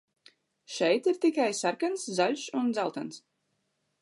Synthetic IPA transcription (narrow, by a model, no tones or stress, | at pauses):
ʃɛjt̪iɾt̪ikajsaɾkanszaʎʲʃund̪zalˠt̪ans